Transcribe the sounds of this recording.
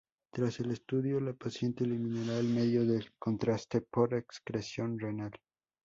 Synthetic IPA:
t̪ɾase̞le̞st̪uðjo̞lapasje̞nt̪eːlimĩnaɾaelme̞ðjo̞ðeko̞nt̪ɾast̪e̞po̞ɾekskɾesjo̞nrenal

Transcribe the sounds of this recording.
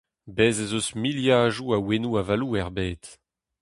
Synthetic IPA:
bɛːzezosmiljaːʒuawenuavaluːɛʁbeːt̪

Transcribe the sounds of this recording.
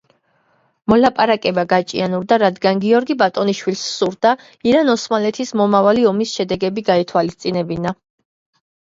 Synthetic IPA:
mɔlapʼaɾakʼɛbaɡat͡ʃʼḭanuɾd̪aɾad̪ɡanɡiɔɾɡibat̪ʼɔniʃwilsːuɾd̪a | iɾanɔsmalɛt̪ʰismɔmavaliɔmisʃɛd̪ɛɡɛbiɡait̪ʰwalist̪sʼinɛbina

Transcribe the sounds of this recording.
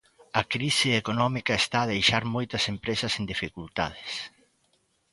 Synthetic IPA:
ɐkɾisɪekonɔmikɐest̪aːðejʃaɾmojt̪ɐsempɾesɐsend̪ifikult̪a̰ðɪs

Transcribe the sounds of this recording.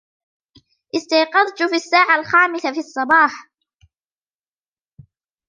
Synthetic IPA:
ʔɪst̪ɑjqɑðˤt̪ʊfiːasːaːʕalxaːmɪsafiɑsˤːɑbɑːħ

